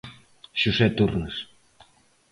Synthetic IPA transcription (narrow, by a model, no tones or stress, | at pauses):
ʃusɛt̪urnəs